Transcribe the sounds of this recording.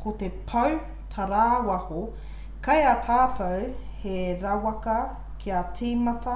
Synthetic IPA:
kʰotepʰɐw | tʰɐɾaːwɐho | kɐjɐtʰaːtɐwheɾɐwɐkɐ | kʰiɐt͡siːmɐtɐ

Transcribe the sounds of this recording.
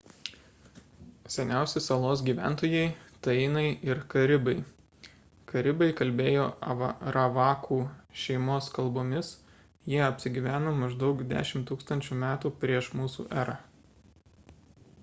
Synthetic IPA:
sʲɛnʲæˑʊsʲɪsɐlˠoːsɡʲiːʋʲæ̰ˑnt̪oːjɛɪt̪ɐɪnɐɪɪɾkɐɾʲɪbɐɪ | kɐɾʲɪbɐɪkɐlʲbʲeːjoːɐʋɾɐʋɑːkʰuːʃʲɛɪmoːskɐlˠboːmʲɪs | jiɛɐpʲsʲɪɡʲiːʋʲæːnoːmɐʒd̪ɒʊkd̪ʲæ̰ːʃʲɪmt̪uːkst̪ɐnʲt͡ʃʲuːmʲæːt̪uːpʲɾʲiɛʃmuːsṵːʔæːɾɑ

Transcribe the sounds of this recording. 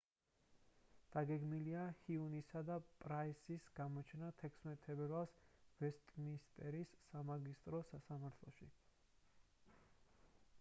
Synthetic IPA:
d̪̥aɡɛɡmiliahiunisad̪apʼɾaisisɡ̥amɔt͡ʃʰnat̪ʰɛkʰsmɛt̪ʰːɛbɛɾvalˠsvɛst̪ʼmist̪ʼɛɾisːamaɡist̪ʼɾɔsasamaɾt̪ʰlˠɔ̰ʃi

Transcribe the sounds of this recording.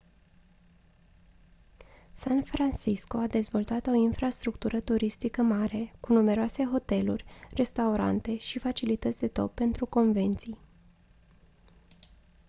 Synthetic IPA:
sanfɾansisko̞ad̪e̞zvo̞lt̪at̪o̞infɾast̪ɾukt̪uɾʔət̪uɾist̪ikəmaɾe̞kunume̞ɾoase̞ɦo̞t̪e̞lurʲre̞st̪auɾa̰nt̪e̞ʃifat͡ʃilit̪ət̪sʲd̪e̞t̪opːe̞nt̪ɾuko̞nve̞nt̪sij

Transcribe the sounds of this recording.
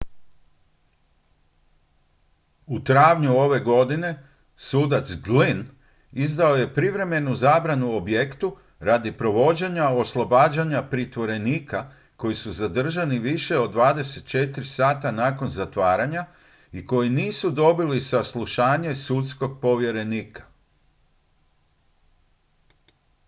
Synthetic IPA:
ut̪ɾaːʋɲuo̞ʋe̞ɡo̞d̪ine̞ | suːd̪at̪sɡlin | izd̪ao̞je̞pɾiʋɾe̞me̞nuzaːbɾanuobjekt̪u | ɾad̪ipɾo̞ʋo̞d͡ʑeɲao̞slˠobaːd͡ʑaɲapɾit̪ʋo̞ɾe̞niːka | ko̞jisuzad̪r̩ʒaniʋiʃe̞od̪ːʋaːd̪e̞se̞t̪̚t͡ʃe̞t̪ɾisaːt̪anaːko̞nzat̪ʋaːɾaɲa | iko̞jiniːsud̪o̞bilisaslˠuʃaːɲe̞sut̪sko̞ɡ̚po̞ʋje̞ɾe̞niːkḁ

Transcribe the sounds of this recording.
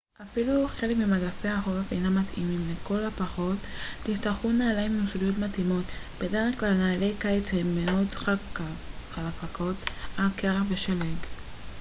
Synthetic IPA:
ʔafiluχe̞lekmimaɡafejhaɦofejnamat̪ḭmimleko̞lapaχo̞tlist̪aχunaːlaimnusulijo̞tmat̪imo̞t̪bede̞ʁeχklalnaːle̞jkajet͡shemːeo̞d | χalakako̞talkeʁveʃaleɡ

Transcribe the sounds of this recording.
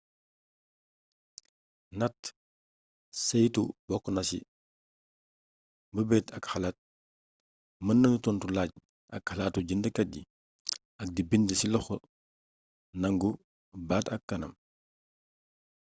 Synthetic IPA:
nɐt | sɛjtubɔkːnɐsḭ | bəbɛːtɐkxɐlaːt̚ | mɐnːɐnutɔntulaːɟ̚ | ɐ̰kxalaːtuɟəndəkɐdi | ɐk̚dibindəsilɔxɔ | nɐŋɡu | baːtɐkːɐnɐ̰m

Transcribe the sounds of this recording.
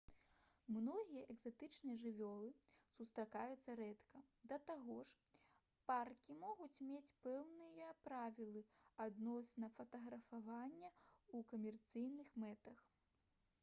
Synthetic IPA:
mnɔɣʲijɐʔɛɡzat̪ɨt͡ʂnɨjɐʐɨvʲɔlˠɨsust̪ɾakajut̪sːɐɾɛt̪kɐd̪ɐt̪aɣɔʂ | parkʲimɔɣut͡sʲmʲet͡sʲpɛwnɨjɐpɾavʲilˠɨad̪nɔsnɐfɐt̪ɐɣɾɐfavanʲːɐukɐmʲɛrt̪sɨjnɨxmɛt̪ɐx

